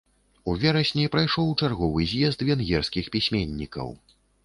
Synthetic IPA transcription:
uvʲɛɾɐsʲnʲipɾajʂɔwt͡ʂarɣɔvɨzʲjɛzt̪vʲɛnɣʲɛrskʲixpʲisʲmʲenʲːikɐ̰w

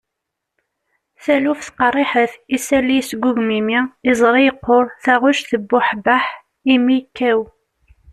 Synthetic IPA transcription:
θælufθqɑrˤːiħəθisælːijsɡʷuʝmimiɪzˤɾˤijəqːoɾˤθæʁʊʃθəbːʊħbaħ | imikːæw

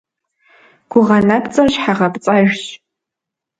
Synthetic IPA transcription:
ɡ̥ʷʊʁɐnɐpt͡sʼɐɕħaʁɐpt͡sʼaʒɕ

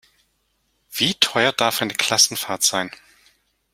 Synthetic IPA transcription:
v̥iːtʰɔʏɐd̥aɐfaɪnəkʰl̥asn̩faɐtz̥aɪn

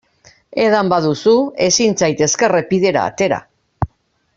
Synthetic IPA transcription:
e̞ðambaðusue̞sint͡sajt̪e̞ske̞repiðe̞ɾa̰ːt̪e̞ɾa̰

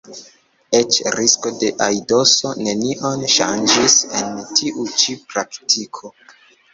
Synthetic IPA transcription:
e̞t͡ʃɾisko̞de̞ʔajdo̞so̞ne̞niʔonʃa̰nd͡ʒise̞ntʰiʔut͡ʃipɾaktʰikʰo̞

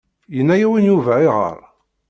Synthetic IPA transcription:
jənːæjæwinjuvʕiʁə̰ɾˤ

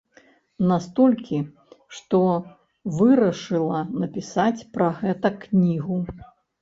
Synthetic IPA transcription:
nast̪ɔlʲkʲi | ʂt̪ɔ | vɨɾɐʂɨlˠɐnɐpʲisat͡sʲpɾɐɣɛt̪ɐknʲiɣu

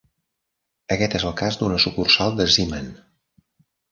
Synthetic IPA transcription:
əkɛt̪ezəlˠkazd̪unəsukursalˠd̪əzimən

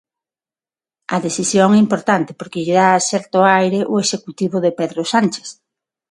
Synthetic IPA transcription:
ɐðeθisjoŋɛimpoɾt̪ant̪ɪ̥poɾkɪʎeðaːsɛɾt̪oajɾeʔʊesekut̪iβoðepeðɾosant͡ʃe̥s

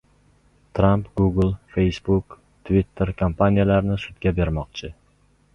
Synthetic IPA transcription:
t̪ʰɾampɡuɡlˠfe̞jsbʊk | t̪ʰvit̪ʰːeɾkʰampʰanijalaɾnɪsʊt̪ɡʲabe̞ɾmɒqt͡ʃʰɪ

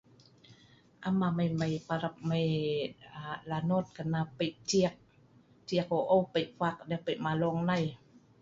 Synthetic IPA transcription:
ʔamamajmajpaɾap̚majalanoːt̪̚kanːapəjt͡ʃiək̚ | t͡ɕiək̚oʔowpajfak̚dɛpəjmalɔŋnaj

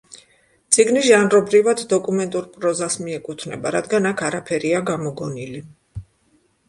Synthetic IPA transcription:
t̪sʼiɡniʒanɾɔbɾivad̪d̪ɔkʼumɛnt̪ʼuɾpʼɾɔzasmiɛkʼut̪ʰnɛ̰baɾad̪ɡanakʰaɾapʰɛɾiaɡamɔɡɔnili

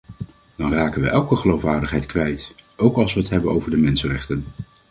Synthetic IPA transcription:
d̥ɑnraːkənʋəʔɛlˠkəχəlowfʋaːɹdəχɦɛjtkʋɛjtowkɑlˠsʋəətɦɛbənowvəɹdəmɛnsənrɛχtən

